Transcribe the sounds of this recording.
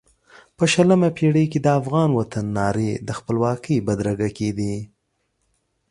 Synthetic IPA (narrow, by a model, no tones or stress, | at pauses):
pəʃələmapeɽəjked̪əafɣɑnwat̪anːɑɾed̪əxpəlwɑkəjbad̪ɾaɡaked̪i